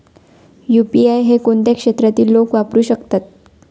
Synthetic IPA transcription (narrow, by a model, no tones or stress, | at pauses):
jupiajɦekoɳt̪akʂet̪ɾat̪iːlːokʋapɾuːɕəkt̪at̪̚